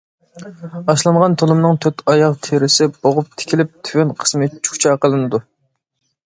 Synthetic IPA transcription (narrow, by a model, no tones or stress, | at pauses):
ɑʃlˠɑɴʁɑnt̪ʰolˠɨmnɨŋt̪ʰøt̪ʰɑjɑqt̪ʰeɾɪsɪboʁʊp̚t̪ʰɪ̥kʲʰilɪp̚t̪ʰywynqʰə̥smɨt͡ʃʰu̥kt͡ʃʰɑqəlˠɨnɨd̪u